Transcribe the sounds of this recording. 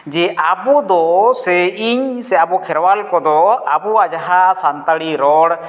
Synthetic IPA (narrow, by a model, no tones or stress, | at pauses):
d͡ʒɛʔabud̪ɔsɛiɲsɛabukʰɛɾwalkɔd̪ɔabuad͡ʒaɦasant̪aɽiɾɔɽ